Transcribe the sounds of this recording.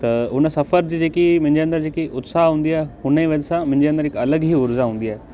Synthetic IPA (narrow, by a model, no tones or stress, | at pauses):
t̪ɐʊnsɐfəɾd͡ʑiːd͡ʑeːkimʊ̃ɦɪ̃ɲd͡ʑeɐ̃nd̪əɾd͡ʑeːkiʔʊt̪saːɦɦũːn̆d̪iaːɦehʊniʋɐd͡ʑsãmʊ̃ɦɪ̃ɲd͡ʑeɐ̃nd̪əɾɦɪkɐləɡɦiːʊɾzaɦũːn̆d̪iaːɦe